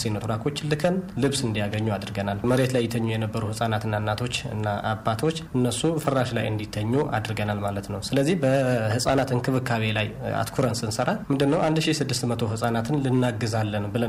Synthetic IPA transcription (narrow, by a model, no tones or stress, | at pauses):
sinot̪ʰuɾakʰo̞t͡ʃːlɨkʰənlɨβsɨnd̪ijaɡəɲːuad̪ɾɡənalməɾet̪lajːɛt̪ʰəɲːujɛnəbːəɾuhɨsʼanat̪ɨnːanːat̪ʰo̞t͡ʃːɨ̰nːaʔa̰bːat̪ʰo̞t͡ʃːɨnːəsːufəraʃla̰jɨ̰nd̪it̪ʰːəɲːuʔa̰d̪ɾɡənalmalət̪nəwsɨləzːihbəhɨsʼanat̪ɨnkʰɨβɨkʰːaβe̞laja̰t̪kʰuɾənsɨnsəɾamɨnd̪ɨnːəwʔand̪ʃisɨd̪ːɨst̪mət̪ʰo̞ɦɨsʼanat̪ʰɨnlɨnːaɡːɨzalːənbɨlə